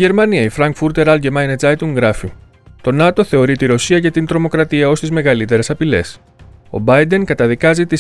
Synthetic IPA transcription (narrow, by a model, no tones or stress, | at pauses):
ʝe̞ɾmɐniɐifɾɐŋkfuɾt̪e̞ɾɐlɟemɐjned͡zɐjt̪uŋɡɾɐfi | t̪o̞nɐt̪o̞θe̞o̞ɾit̪iɾo̞siɐʝɐt̪int̪ɾo̞mo̞kɾɐt̪iɐo̞st̪izme̞ɣɐlit̪e̞ɾe̞sɐpile̞̰s | o̞̰bɐjd̪e̞ŋkɐt̪ɐðikɐzit̪i